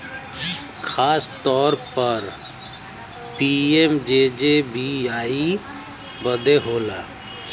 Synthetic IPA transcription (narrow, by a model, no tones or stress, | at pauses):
kʰaːst̪ɔːɾpəɾ | ʈiemd͡ʒeːd͡ʒebʱiaːi | bəd̪eɦoːlaː